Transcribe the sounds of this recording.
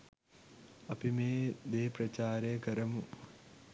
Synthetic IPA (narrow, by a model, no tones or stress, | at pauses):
ɐpimeːd̪eːpɾɐt͡ɕaːɾekɐɾɐmu